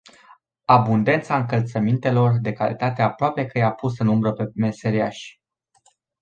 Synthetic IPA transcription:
abund̪e̞nt̪saɨŋkəlt̪səmint̪e̞lo̞rd̪e̞kalḭt̪at̪e̞apɾoape̞kəjeapusɨnumbɾəpe̞me̞se̞ɾiaʃʲ

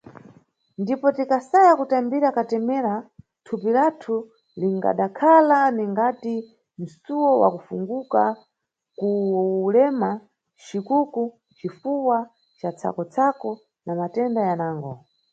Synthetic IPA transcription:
ndipɔtikasajakutambiɾakatɛmɛɾa | tʰupiɾatʰu | liŋɡa̰ɗakʰalaniŋɡati | m̩suwɔwa̰kufuŋɡuka | kulɛma | t͡ʃikuku | t͡ʃifuwa | t͡ʃat͡sʰa̰kɔt͡sʰakɔ | namatɛndajanaːŋɡɔ

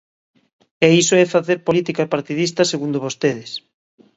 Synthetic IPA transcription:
ɛisoɛfaθeɾpolit̪ikaepaɾt̪iðist̪ɐseɣund̪ʊβost̪eð̞ɪs

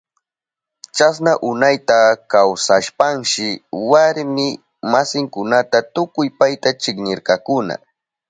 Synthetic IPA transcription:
t͡ʃas̬naʔʊnajt̪akawsaʃpaŋʃɪwaɾmɪ | masɪŋkʊnat̪at̪ʊkʊjpajt̪at͡ʃɪkɲɪɾkɑkʊna̰

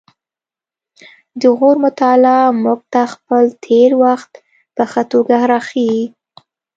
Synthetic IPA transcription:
d̪əɣoɾmʊt̪ɑlamʊɡ̚t̪axpəlt̪ʰeɾwaxt̪ | pəxat̪oɡahɾɑxi

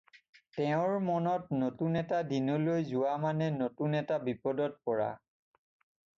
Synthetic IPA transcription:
tɛʊ̃ɹmɔnɔtnotunɛtadinɔlojzʊwamanɛnotunɛtabipɔdɔt̚pɔɹa̰

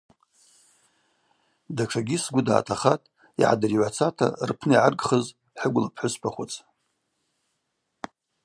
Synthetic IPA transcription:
daʈ͡ʂʰaɡʲisɡʷʊda̰ːtʰaχatʼ | iʕa̰dɨriʕʷat͡sʰatʰa̰rpʰnɨiʕarɡχəz | ħəɡʷlapʰħʷʊspʰaχʷʊt͡sʰʼ

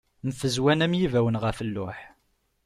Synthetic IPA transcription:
mθəzwænæmjivæwənʁəfəlːʊ̰ħ

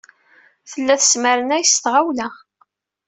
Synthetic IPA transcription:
θəlːæθə̥sməɾənæjəst̪ʁawlæ

